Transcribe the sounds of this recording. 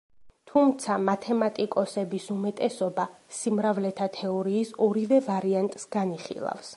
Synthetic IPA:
t̪ʰumt̪sʰamat̪ʰɛmat̪ʼikʼɔsɛbisumɛt̪ʼɛsɔbasimɾavlɛt̪ʰat̪ʰɛɔɾiːsɔɾivɛvaɾiant̪ʼsɡ̥aniχḭlˠa̰fs

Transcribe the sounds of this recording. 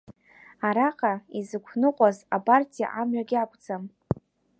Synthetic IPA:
aɾaqʼaizɨkʷʰnɨqʷʼazapʼartʰʼija̰ʔamɥaɡʲɪakʷʼd͡zam

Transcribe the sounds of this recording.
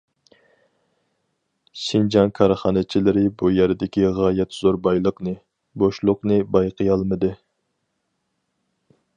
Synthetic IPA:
ʃind͡ʒɑŋkʰɑɾχɑnɨt͡ʃʰilɪɾɪbujɛɾɪd̪ɪkʲiʁɑːjɛt̪z̥oɾbɑjlˠəqnɨ | boʃlˠʊqnɨbɑjqʰəjɑlˠmɨd̪ɨ

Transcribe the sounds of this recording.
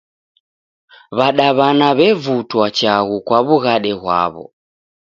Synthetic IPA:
βaɗaβanaβɛvutwat͡ʃaɣukwaβuɣaɗɛɣwa̰βɔ̰

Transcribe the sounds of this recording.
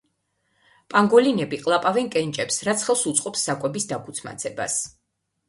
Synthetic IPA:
pʼaŋɡɔlinɛbiqʼlˠapʼavɛnkʼɛnt͡ʃʼɛpsɾat̪sʰχɛlˠsut̪sʼqʼɔpsːakʼwɛbisd̪akʰu̥t̪sʰma̰t̪sʰɛba̰s

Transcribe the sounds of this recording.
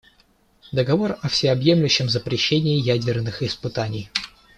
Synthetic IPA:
d̪əɡɐvo̞rɐfsʲɪɐbje̞mlʲʉɕːɪmzəpɾʲɪɕːenʲɪːjædʲɪrnɨxɪspɨt̪anʲɪj

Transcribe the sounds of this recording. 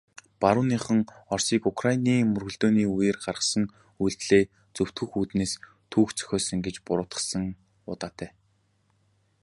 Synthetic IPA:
paɾʊːniːχə̆ŋɔrsiːkʊkʰrainiːmɵrɣɵ̆ɮt̪oːniːujĕːrɢarʁə̆sə̆ŋ | ujɮt̪ɮeː | t͡sɵw̥t̪ɡɵ̆xuːt̪neːs | t̪ʰuːxt͡sœ̥xʲɔːsə̆ŋɡet͡ɕpʊɾʊːt̪ə̥̆sə̆ŋ | ʊ̰t̪aːt̪ʰæː

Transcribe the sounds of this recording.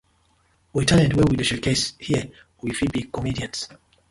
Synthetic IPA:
witʰalɛ̃dwɛ̃widəʃəkʰeshiə | wifid̚bikɔmidiãnt

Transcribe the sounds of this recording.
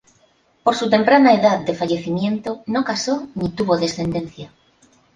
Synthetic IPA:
po̞ɾsut̪e̞mpɾanaeðað̚d̪efaʎe̞θimjẽnt̪onokasonit̪uβoðe̞sθe̞nd̪ẽ̞n̟θja

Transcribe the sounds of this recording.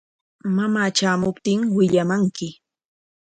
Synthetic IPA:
mamaːt͡ʃaːmʊpt̪ɪŋwɪʎamaŋkɪ

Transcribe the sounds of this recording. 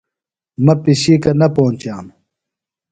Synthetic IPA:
mɐpiɕiːkɐnɐpoːnt͡ɕaːm

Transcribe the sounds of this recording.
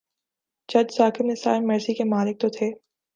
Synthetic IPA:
t͡ʃɐd͡ʒsaːkɪbnesa̰ːɾmɐɾsikemaːlɪk̚t̪ot̪ʰeː

